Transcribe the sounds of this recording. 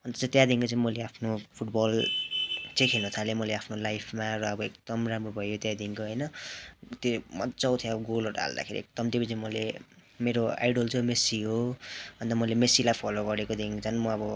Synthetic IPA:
ʌnt̪ʌt͡st̪jad̪iŋkot͡sʌĩmʌleapʰnopʰuʈbʌl | t͡sʌjkʰelnʌt̪ʰalemʌleapʰnolajpʰmaɾʌʌbʌekd̪̥ʌmramrobʱʌjot̪jad̪iŋkoɦʌjnʌt̪jomʌt̪t͡sʌwt̪ʰjẽʌbʌɡolorʈa̰ɦa̰ld̪a̰kʰḛɾḭek̚d̪ʌmt̪jopʌ̃t͡saĩmʌlemeɾoa̰jɖolt͡sʌmesiɦoɦʌnt̪ʌmʌlemesilajpʰʌloɡʌɾekod̪iŋt͡sʰʌnmʌʌbʌ

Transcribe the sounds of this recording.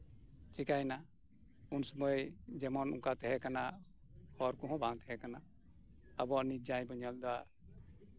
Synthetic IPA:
t͡ʃikajna | unsɔmɔjd͡ʒɛmɔnṵŋkat̪ɛɦɛkana | hɔɾkuɦɔ̃bʱãŋt̪ʰɛɦɛkana | abɔnid͡ʒãjbɔɲald̪ɔa

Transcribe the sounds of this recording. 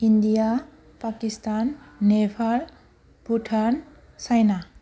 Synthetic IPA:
indija | pakistanːepʰal | puʈʰan | sajna

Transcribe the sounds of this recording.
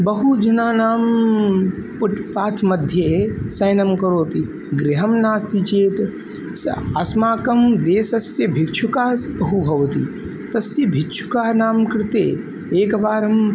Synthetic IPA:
bɐɦud͡ʒɐnaːnaːm | pʊʈʰpaːt̪ʰmɐd̪ʱjesɐjnɐmkɐɾoːt̪i | ɡɾɪɦɐmnaːst̪it͡ʃeːt̪ | sɐsmaːkɐmd̪eːsɐsjɐbʱikt͡ʃʰukaːsbɐɦubʱɐʋt̪ḭ | t̪ɐsjɐbʱikt͡ʃʰu̥kaːnaːmkɐɾt̪ḛː | eːkbaːɾɐm

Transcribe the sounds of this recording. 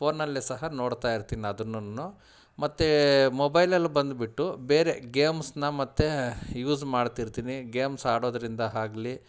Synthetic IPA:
pʰo̞ːnːɐlːisɐɦɐno̞ːɽt̪aːjiɾt̪iːniɐd̪ɐnːunːu | mɐt̪ːemɔbɐjlɐlːubɐnd̪biʈːube̞ːɾe̞ɡeːmsnɐmɐt̪ːejuːzmaːɖt̪iɾt̪iːniɡeːmsaːɽo̞ːd̪ɐɾind̪ɐɦaːɡli

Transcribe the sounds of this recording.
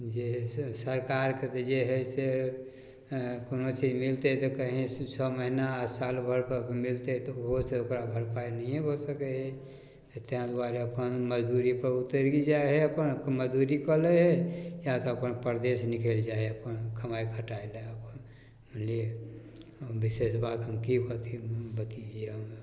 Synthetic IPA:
d͡ʒesəɾkaɾket̪d͡ʒeɦɛse | konot͡ʃid͡ʒmɪlt̪eɦɛt̪okəɦĩt͡ʃʰɔməɦinasaːlbʱəɾpəmɪlt̪eɦɛt̪oɦoseokɾabʱəɾpainəĩebʱosəkeɦɛ | et̪eãd̪waɾeəpənməd͡ʒd̪uːɾipəɾʊt̪ːəɾɡid͡ʒaːeɦɛɐpənməd͡ʒd̪uːɾikɔleɦɛjat̪oɐpənpəɾd̪eːsnɪkeld͡ʒaːeəpənkʰəmaːikʰəʈaːeleəpən | ənlie | bɪʃesbaːt̪ɦəmkikot̪ibət̪id͡ʒieɦəm

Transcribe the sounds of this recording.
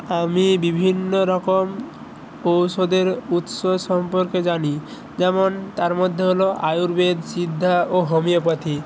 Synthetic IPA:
amibibʱinːoɾɔkom | owsod̪eɾut̪soʃɔmpoɾked͡ʒani | d͡ʒɛmont̪aɾmod̪ʱːeɦoloʔajuɾbed̪sid̪ʱːaoɦomijop̬at̪ʰi

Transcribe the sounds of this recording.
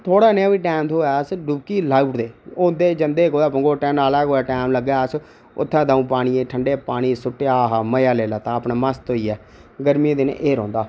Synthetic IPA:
t̪ʰoːɽaːneaːʋiːʈɛːmt̪ʰoːɛːəsɖubkiːlaːuːʈd̪eːoːd̪eːd͡ʒənd̪eːkoːaːpəŋɡoːʈɛːnaːlaːkoːaːʈɛːmləɡaːəs | ʊ̰t̪ʰːɛ̃ːd̪aːũːpaːɽ̃iːẽːʈʰəɳɖeːpaːɽ̃iːsʊʈːeːaːɦaməjaːleːlaːt̪aːəpnaːməst̪oːiːɛː | ɡəɾmiẽd̪ɪn̰ʔeːɾɔ̰̃ːnd̪aː

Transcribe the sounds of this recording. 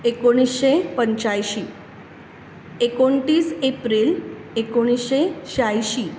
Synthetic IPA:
ekoɽ̃isɕepəɲt͡ɕajɕiː | ekoɳʈiːsepɾil | ekoɽ̃isɕeɕajɕiː

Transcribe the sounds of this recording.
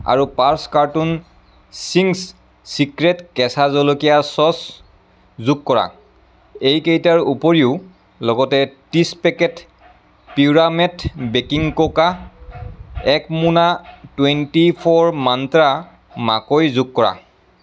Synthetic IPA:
a̰ɹupaɹskaɹtun | siŋs | sikɹɛtkɛsazɔlokijasɔs | zuɡkɔɹa̰ | ejkejtaɹupɔɹiʊ | lɔɡɔtɛtispɛkɛt | piɹamɛtbekiŋkoka | ɛkmunatwentipʰɔɹmantɹa | ma̰kojzuɡ̚kɔɹa̰

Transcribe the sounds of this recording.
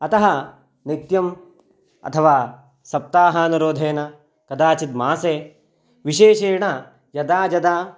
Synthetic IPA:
ɐt̪ɐɦɐ | nit̪jɐm | ɐ̰t̪ʰɐʋaː | sɐp̚t̪aːɦɐɐnuɾoːd̪ʱeːnɐ | kɐd̪aːt͡ʃit̪̚maːseː | ʋiʃeːʃeːɳɐ | jɐd̪aːd͡ʒɐd̪aː

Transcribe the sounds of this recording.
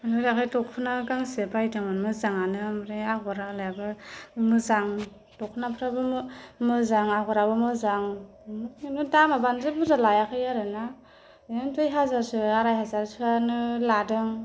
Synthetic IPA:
anɯɾakʰajtɔkʰɯnaɡaŋsebajtaŋɯnmɯzaŋanɯmɯɾeaaɾalajabɯmɯzaŋ | tɔk̚ʰɯnapʰɯɾabɯmɯzaŋaɡaɾabɯmɯzaŋ | nɯdamabanzebɯzalajakʰɯjaɾɯna | ɯntɯjɦazaɾsɯaɾajɦazaɾsʰɯanɯladɯŋ

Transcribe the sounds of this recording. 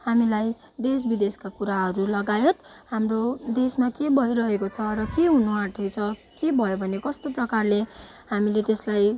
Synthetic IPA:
hamilaj | d̪es̬bid̪eskakuɾaɦʌɾulʌɡajet̪ɦamrod̪esmakebʱʌiɾʌɦekot͡sʰʌrʌkeɦunuãʈʰit͡sʰʌkebʱʌjobʱʌnekʌst̪oprʌkarlehamilet̪eslaj

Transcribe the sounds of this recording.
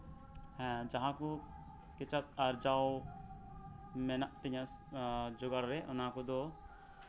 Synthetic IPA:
hɛ̃d͡ʒaɦãku | kɛt͡ʃat̪̚aɾd͡ʒaw | mɛnaʔt̪iɲã | d͡ʒɔɡaɾɾɛʔʊnakud̪ɔ

